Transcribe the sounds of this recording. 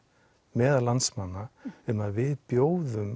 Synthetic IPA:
mɛːðalansmanːaɛnːaðvɪðpjoːwðʏm

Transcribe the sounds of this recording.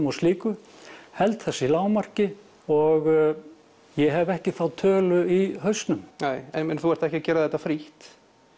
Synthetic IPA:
mɔsliːkʏhɛlt̪θɛsːailaːwmar̥cɪ | ɔɣ | jɛɦɛvɛhcɪθawt̪ʰœːlʏiɦœɥst̪nʏmneːjɛmɛnθuɛɾ̥t̪ɛhcacɛːɾaðɛht̪ːafɾiht̪

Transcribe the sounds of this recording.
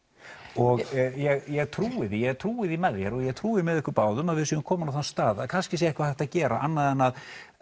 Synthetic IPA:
ɔɣjɛɣjɛɣt̪ʰɾuːɪðijɛɣt̪ʰɾuːɪðimɛðjɛɾɔɣjɛɣt̪ʰɾuːɪmɛðɛhkʏɾpaːwðʏmaðvɪðsjɛðʏmkʰɔːmanawθanst̪aːðakʰanscɪsjɛɛhkvaθɛht̪aðcɛːɾa̰ʔanːaðɛnað

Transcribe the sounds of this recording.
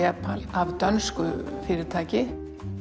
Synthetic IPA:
ɛpalavt̪œnskʏfɪːɾɪɾt̪ʰaːcɪ

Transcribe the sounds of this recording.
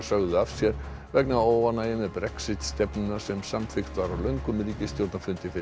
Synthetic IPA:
sœɣðʏafsjɛɾ̥ | vɛknaoːwvanaɪnɛðpɾɛksɪt̪st̪ɛpnʏnḁsɛmsamfɪxt̪vaɾawlœɥŋkʏmːɪliːcɪst̪joɾt̪nafʏnt̪ɪfɪ

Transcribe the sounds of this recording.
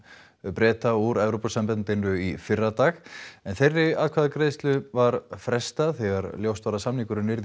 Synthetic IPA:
pɾɛːt̪auɾɛvɾowpasampɛnnt̪ɪnʏifɪrːat̪aːxɛnθejrːɪa̰lkʰvaðakɾeːjst̪lʏvaɾfɾɛst̪aθɛɣaɾljowst̪vaɾasamniŋkʏɾʏnɪɾð

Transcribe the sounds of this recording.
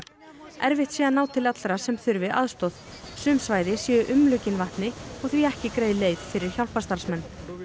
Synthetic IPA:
ɛɾvɪht̪sɛːðanaːwt̪ʰɪlat̪lɾasɛmθʏɾvɪʔaðst̪ɔðsʏmsvaːjðɪsjɛːʏʔʏmlʏːcɪnvaht̪nɪɔɣθviɛhcɪkɾeːjðɪleːjðfɪɾɪɾ̥çawl̥past̪aɾ̥smɛnː

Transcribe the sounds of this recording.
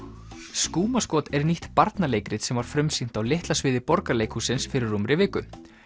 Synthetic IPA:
skuːmaskɔːt̪ɛɾniht̪paɾt̪naleːjkɾɪt̪sɛmvaɾ̥fɾʏmsin̥t̪awlɪht̪lasvɪːðɪpɔɾkaleːjkhusɪnsfɪɾɪɾumɾɪvɪːkʏ

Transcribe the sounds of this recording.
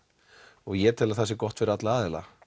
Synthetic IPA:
ɔɣjɛ̥t̪ʰɪlaθɛsːɪkɔht̪fɪɾat̪laaːðɪla̰

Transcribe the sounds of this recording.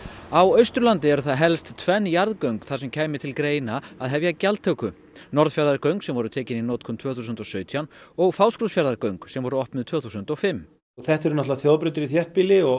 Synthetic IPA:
awœɥst̪ɾʏlant̪ɪɛɾʏθaðɦɛlst̪t̪ʰvɛnːjaɾðkœɥŋkθḁsɛmcʰaːjmɪt̪ʰɪlkɾeːjnaaðɦɛvjacalt̪ʰœkʏ | nɔɾðfjaɾðaɾkœɥŋksɛmvɔɾʏt̪ʰɛːcɪninɔːt̪kʰɔmt̪ʰv̥œːθusʏnt̪ɔsœːɥt̪ʰianɔɣfaːwskulsfjaɾðaɾkœɥŋksɛmvɔɾʏɔhpnʏðt̪ʰvœːθusʏnt̪ɔɣfɪm | θɛht̪ɛɾʏnat̪lvaθjoːðpɾʏt̪ɪɾiθjɛht̪̚piːlɪɔ

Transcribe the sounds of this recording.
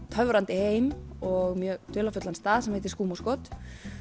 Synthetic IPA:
t̪ʰœvɾant̪ɪheːjmɔɣmjœːɣt̪ʰʏːlafʏt̪lanst̪aːðsɛmveht̪ɪ̥ɾskuːmaskɔt̪

